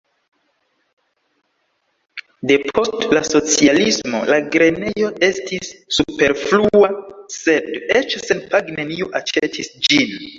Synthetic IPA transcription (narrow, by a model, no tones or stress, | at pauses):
de̞pʰo̞stlaso̞t͡sialismo̞̰laɡɾe̞ne̞jo̞e̞stʰisːupe̞ɾfluase̞det͡ʃse̞npaɡne̞nioʔat͡ʃetʰisd͡ʒin